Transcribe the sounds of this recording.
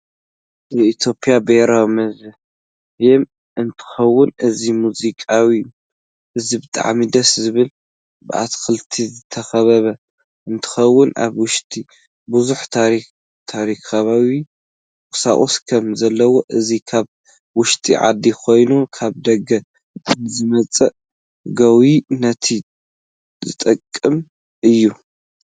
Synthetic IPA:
zɨit̪ʰjo̞pʼijabeɾawmɐzɨ | jɛm | ʔɨnt̪ʰɨ̥xɐwːʊnʔɨzimuzikʼawi | ʔɨzibɨt̪ʼa̰ʕmid̪ɐszɨβɨl | bɨʔa̰t̪ʰxɨlt̪ʰizɨt̪ʰɐxɐβɐβɐ | ʔɨnt̪ʰɨ̥xɐwːʊna̰βwʊʃt̪ʼi | buzuħt̪ʰaɾi | t̪ʰaɾikaβawi | kʼɨsa̰χʼoskʰɐmzɐlːɐwo̞ʔɨzikʰaβ | wʊʃt̪ʼiʕa̰d̪ikʰo̞jnukʰaβd̪ɐɡɐ | nzɨmɐt͡sʼɐʔ | ɡɐwinɐt̪ʰi | zɨt̪ʼɐkʼːɨm | ʔɨjːu

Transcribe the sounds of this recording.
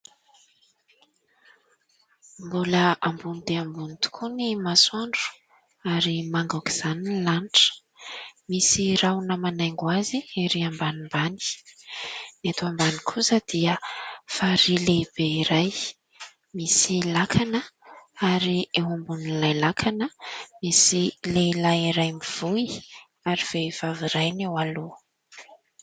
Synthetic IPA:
mbuləambunid̪eambunit̪u̥kʰunimaswaɳɖ͡ʐu̥ | aɾimaŋɡaki̥z̥anilanʈ͡ʂə̥ | misiɾawnəmanajŋɡwaziiɾiambanimbani̥ | net̪uambanikʰusəd̪̥iəfaɾileb̥eiɾaj | misilakʰanəaɾieɦumbunilajlakʰanəmisilelajiɾajmiv̥ui | aɾiv̥ev̥aviɾajnewalu

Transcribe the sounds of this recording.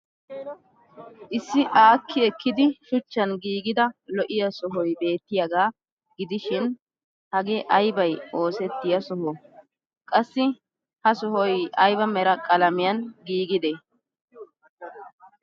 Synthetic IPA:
ʔɪsːɪʔaːkːɪɛkːɪd̪ɪʃʊt͡ʃːɐnɡiːɡɪd̪ɐlɔʔɪjɐsɔɦɔjbe̞ːt̪ːɪjɐɡaː | ɡɪd̪ɪʃɪn | hɐɡeʔɐjbɐjʔo̞ːsɛt̪ːɪjɐsɔɦɔ | kʼɐsːɪ | hɐsɔɦɔjɐjbɐmɛɾɐkʼɐlɐmɪjɐnɡiːɡɪd̪ɛ

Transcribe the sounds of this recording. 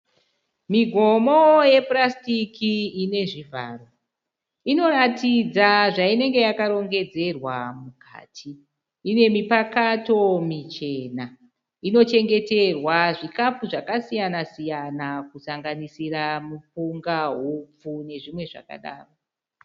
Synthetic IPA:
miɡʱo̞mo̞je̞prastikiine̞ʐivʱa̰ːro | ino̞ɾatid͡zaʐaine̞ŋɡe̞jakaɾo̞ŋɡe̞d͡ze̞rwamukʰa̰ːtʰiː | ne̞mipakato̞mit͡ʃe̞na | ino̞t͡ʃe̞ŋɡe̞te̞rwaʐikafuʐakasijanasijanakusaŋɡanisiramupuŋɡaɦup͡fune̞ʐimwe̞ʐa̰ka̰ɗa̰ːro

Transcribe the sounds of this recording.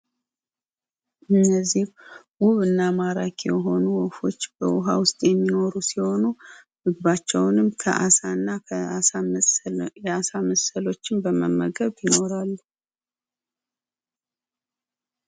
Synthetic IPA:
ʔɨnːəzːih | wuβɨnːamaɾa̰kʰjɛ̰ɦo̞nuwɔfo̞t͡ʃːbəwʊɦawʊst̪ʼjɛmːino̞ɾusiho̞nu | mɨɡβat͡ʃːɛwnɨmkʰə̰ʔasanːaaa | jɛasaməsəlo̞t͡ʃːɪmbəməmːə̰ɡəβjɪno̞ɾalːu

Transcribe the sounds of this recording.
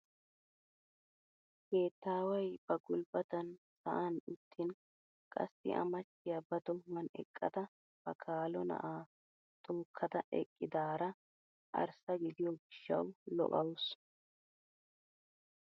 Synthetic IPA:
keːt̪ːaːwɐjb̥ɐɡʊlbɐt̪ɐnsɐʔɐnʊt̪ʰːɪn | kʼɐ̰sːɪ̰ʔɐ̰mɐt͡ʃːɪjɐbɐd̪ɔmːɐnɛ̰kʼːɐd̪ɐ | b̥ɐkʰaːlɔnɐ̰ʔaː | t̪ʼuːkʰːɐd̪ɐʔɛ̰kʼːɪd̪aːɾɐ | ʔɐ̰ɾsɐɡɪd̪ɪjɔɡɪʃːɐ̰wlɔ̰ʔɐws

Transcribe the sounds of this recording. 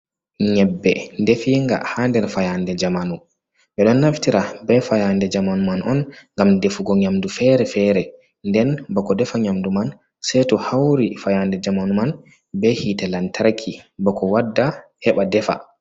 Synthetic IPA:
ɲɛbːɛ̰ndefiŋɡa̰handɛɾfajandɛd͡ʒamanu | ɓɛɗɔnːaftiɾabɛfajandɛd͡ʒamanumanɔnŋɡamdefuɡɔɲamdufɛɾɛfɛɾɛ | ndɛnbɔkɔdɛfaɲamduman | sɛtɔhawɾifajandɛd͡ʒamanuman | bɛhitalantʰaɾkʰibɔkʰɔwadːahɛɓadɛfa̰

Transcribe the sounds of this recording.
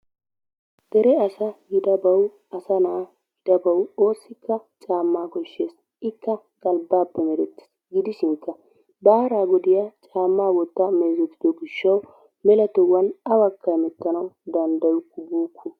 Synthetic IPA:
d̪̥ɛɾɛɐsɐɡɪd̪ɐbɐw | ɐsɐnaː | ɡɪd̪ɐbɐwo̞ːsːɪkːɐt͡ʃʼaːmːaːkɔʃːeːs | ɪkːɐ | kʼɐlbaːpːɛmɛɾɛt̪ːɪ̥s | ɡɪd̪ɪʃɪŋkːɐ | baːɾaːɡɔd̪ɪjaːt͡ʃʼaːmːaːwɔt̪ːɐme̞ːzɛt̪ːɪd̪ɔɡɪʃːɐw | mɛlɐt̪ɔwːɐnɐwɐkːɐmɛt̪ːɐnɐwd̪ɐnd̪ɐjʊkːʊbuːkʰːʊ

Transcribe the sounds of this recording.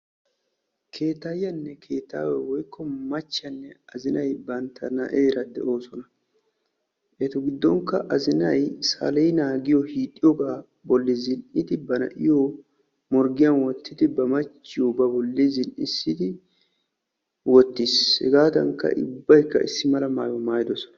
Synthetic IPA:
kʰe̞ːt̪ːajːɐnːɛkʰe̞ːt̪ːa̰ːwɛwɔjkʰːɔmɐt͡ʃːɐnːɛɐzɪnɐjbɐnt̪ʰːɐnɐ̰ʔeːɾɐd̪ɛ̰ʔo̞ːsɔnɐ | ʔɛt̪ɔɡɪd̪ːɔŋkːɐʔɐzɪnɐjsa̰lɛjnaːɡɪjɔhiːt̪ʼːɪjɔɡaː | bɔlːɪzɪnɪd̪ɪbɐnɐ̰ʔɪjo | mɔɾɡɪjɐnwɔt̪ʰːɪd̪ɪbɐmɐt͡ʃːɪjɔbɐbɔlːɪzɪnʔɪsːɪd̪ɪ | wɔt̪ːishɛ̰ɡaːd̪ɐŋkːɐ̰ʔɪ̰bːɐjkːɐ̰ʔɪsːɪmɐlɐma̰ːjɔmaːjɪd̪ɔsɔ̥nɐ̥

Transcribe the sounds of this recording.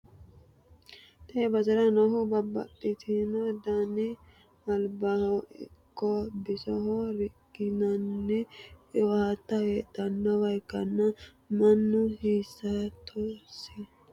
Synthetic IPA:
t̪ʰebɐzɐɾɐnɐɦʊbɐbːɐ̰t̪ʼːɪt̪ʰɪnɔd̪anɪ | ɐlbɐhɔɪ̰kːɔbɪsɔɦɔɾɪɡɪnɐnːɛohɐt̪ːɐweːt̪ːɐnːɐwɐjkːɐnːɐ | mɐnːʊhiːsːɐt̪ʰoːsɪ

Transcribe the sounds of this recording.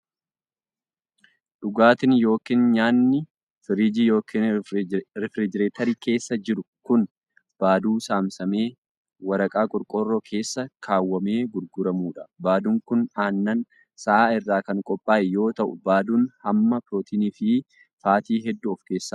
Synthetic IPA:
ᶑʊɡaːt̪ɪnjo̞ːkiːnɲaːnːɪ | fɪɾiːd͡ʒijo̞ːkʰin | ɾɪfɾɪd͡ʒɪɾeːt̪ɐɾiːke̞ːsːɐd͡ʒɪɾʊkʊn | b̥aːd̪uːsaːmsɐme̞ː | wɐɾɐkʼaːkʼʊɾkʼɔrːɔkʰe̞ːsːɐkʰaːwːɐme̞ːɡʊɾɡʊɾɐmuːᶑɐ̥baːd̪uŋkʊnaːnːɐn | sɐʔaːɪrːaːkɐŋkʼɔpʼːaːʔɛjo̞ːt̪ɐʔʊ̰baːd̪uːnhɐmːɐpɾoːt̪ʰiːniːfɪ | faːt̪iːɦɛd̪ːʊɔfke̞ːsːaː

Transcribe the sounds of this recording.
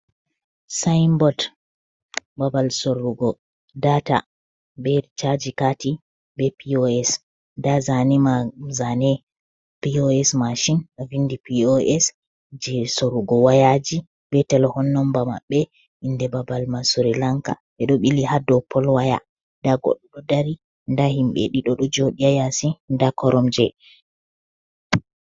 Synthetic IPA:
sajmbɔd | babalsoɾːuɡɔ | data̰ | bɛt͡ʃad͡ʒikati | bɛpioɛs | dazanimazanɛ | pioɛsmaʃinavindipiɔʔɛs | d͡ʒɛsoɾuɡɔwajad͡ʒi | bɛtɛlɔhɔnːɔmbama̰ɓːɛ | indɛbabalmasuɾilaŋka̰ɓɛɗɔɓilihadɔpʰːɔlwaja̰ | daɡɔ̰ɗːɔɗɔdaɾi | ndahimɓɛ̰ɗiɗɔɗɔd͡ʒoɗiajasindakɔɾɔmd͡ʒɛ

